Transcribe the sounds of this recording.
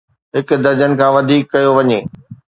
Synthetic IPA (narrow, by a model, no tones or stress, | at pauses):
ɦɪk̆d̪ɐd͡ʑənɪ̆kʰãːʋɐd̪ʱiːkːɐjoʋɐɲeː